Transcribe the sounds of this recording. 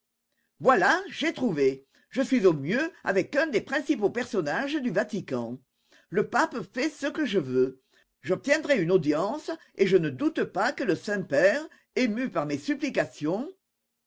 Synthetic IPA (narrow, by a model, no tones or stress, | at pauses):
vwalaʒet̪χuve | ʒəsɥizomjøa̰vɛkœ̃d̪epχɛ̃sipopɛʁsɔnaʒəd̪yvat̪ikɑ̃ | ləpapəfɛsəkəʒəvø | ʒɔp̚t̪jɛ̃d̪ʁɛynod̪jɑ̃sə | eʒənəd̪ut̪əpakələsɛ̃pɛːʁ | emypaʁmesyplikasjɔ̃